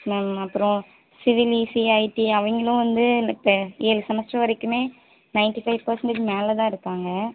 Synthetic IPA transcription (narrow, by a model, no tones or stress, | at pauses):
nɐmɐpːɯɾɔ̃ | sɪʋɪlisiɐɪʈiɐʋɐŋɡɐlʊ̃ʋɐnd̪ɯlɐtːɐiːlsɐmɐsʈɾɐʋɐɾɛkːɯmeː | nɐɪnʈifɐɪʋpɐɾsɐɳʈɯkːɯmeːlɐt̪ãːɪɾɯkːaːŋɡɐ